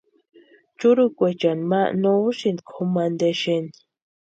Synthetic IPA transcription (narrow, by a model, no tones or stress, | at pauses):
t͡ʃuɾukʷet͡ʃanmanouʃind̪kʰomand̪eʃend̪i̥